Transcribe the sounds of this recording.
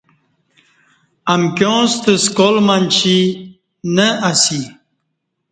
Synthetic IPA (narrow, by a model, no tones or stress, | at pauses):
ɐmkjõːst̪əskolmanʲt͡ɕi | nəʔasi